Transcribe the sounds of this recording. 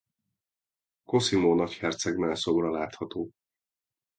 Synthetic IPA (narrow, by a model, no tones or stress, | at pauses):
ko̞simoːnɒchɛrt̪sɛɡmɛlso̞ɡrɒlaːt̪hɒt̪oː